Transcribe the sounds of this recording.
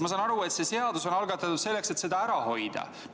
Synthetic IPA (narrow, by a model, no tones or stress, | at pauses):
mɑsɑːnɑɾue̞t̪se̞se̞ɑd̪uso̞nɑlɡɑt̪ːˑɑt̪ːud̪̥se̞lːe̞kse̞t̪se̞d̪ɑæɾɑho̞jd̪̥ɑ̰